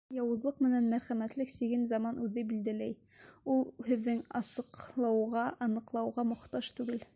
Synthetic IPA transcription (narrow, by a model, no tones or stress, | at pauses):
jɑwɤ̆zlˠɤqmɘ̆nænmæɾχæmæt̪lɘksiɡɘnzɑmɑnʉðɘbild̪ælæj | ulˠhɘ̆ðːɘŋɑsɤ̆qlˠɑwʁɑʔɑnɤ̆qlˠɑwʁɑmŏχt̪ɑʃt̪ʉɡɘl